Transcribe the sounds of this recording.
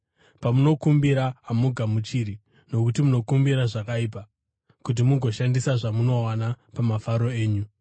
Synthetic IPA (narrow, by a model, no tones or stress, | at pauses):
pamuno̞kumbiɾaːmuɡʱamut͡ʃiɾi | no̞kutimuno̞kumbiɾaʐakaip̬a | kut̬imuŋɡʱo̞ʃandisaʐamuno̞wana | pamafaɾo̞eːɲu